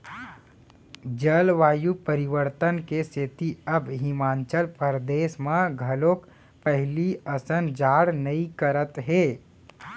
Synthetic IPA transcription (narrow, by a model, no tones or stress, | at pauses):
d͡ʒəlʋaːjupəɾɪʋəɾt̪ənkeset̪iɐbɦɪmaːnt͡ʃəlpəɾd̪eːsmãɡʱɐloːk | pəɦliəsənd͡ʒaːɽnəĩkəɾət̪ɦeː